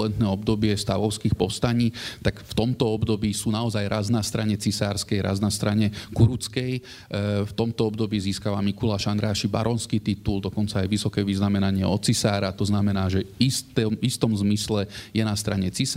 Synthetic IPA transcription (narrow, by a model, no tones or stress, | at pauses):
ɛnt̪nɛːɔbd̪ɔbɪɛst̪aʋɔʊskixpɔst̪aɲiːt̪akft̪ɔmt̪ɔɔbd̪ɔbiːsuːnaɔzajɾaznast̪ɾaɲɛt͡sisaːɾskɛjɾa̰znast̪ɾaɲɛkuɾut͡skɛj | ft̪ɔmt̪ɔɔbd̪ɔbiːziːskaʋamikulaʃand̪ɾaːʃiba̰ɾɔnskit̪it̪uld̪ɔkɔnt͡saːjʋisɔkɛːʋiznamɛnaɲɪɛɔt͡sisaːɾat̪ɔznamɛnaːʒɛist̪ɛmist̪ɔmzmislɛjɛnast̪ɾaɲɛt͡sis